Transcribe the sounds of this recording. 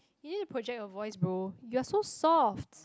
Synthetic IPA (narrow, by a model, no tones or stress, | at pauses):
junidəpʰɹɔd͡ʒɛk̚tɔvɔɪsbɹojuasosɔft